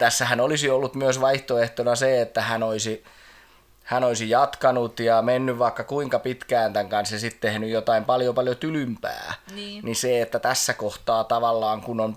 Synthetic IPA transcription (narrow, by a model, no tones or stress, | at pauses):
t̪æsːæhænolisiolːut̪myøsʋɑiht̪oeht̪onɑseet̪ːæhænoisi | hænoisijɑt̪kɑnut̪jɑmenːyʋʋɑikːɑkuiŋkɑpit̪kæːnt̪æŋkɑnsjɑsit̪t̪ehnyjjot̪ɑimpɑljopɑljot̪ylympæ̰ːniseet̪ːæt̪æsːækoht̪ɑːt̪ɑʋɑlːɑːŋkunon